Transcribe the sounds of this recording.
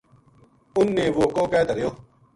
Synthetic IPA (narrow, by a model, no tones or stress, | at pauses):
ʊnːeːʋoːkoːkɛːt̪əɾejoː